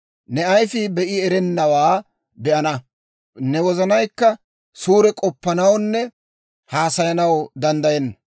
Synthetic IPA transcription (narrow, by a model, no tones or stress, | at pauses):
nɛɐjfɪbɛʔɪɛɾɛnːɐwaː | b̪ɛʔɐnɐ | nɛwɔzɐnɐjkːɐ | suːɾɛkʼɔpːɐnɐwnːɛ | haːsɐjɐnɐwd̪ɐnd̪ɐjɛnːɐ